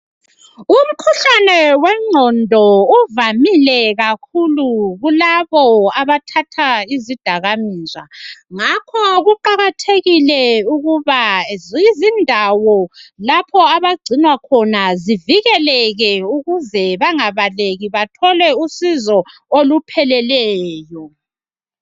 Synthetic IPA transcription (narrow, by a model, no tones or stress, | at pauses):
um̩kʰuɬanɛwɛŋ͡ǀʱɔndʱɔuvamilɛɣakʰuluɣulaβɔaβatʰatʰaizid̥ʱaɣamiːza̰ŋakʰɔɣuǃaɣatʰeɣilɛuɣuβazizindʱawɔlapʰɔaβaɡ͡ǀʱinwakʰɔnaziviɣɛlɛɣɛuɣuzɛβaŋaβaleɣiβatʰɔlɛusizɔolupʰɛlɛlɛːjɔ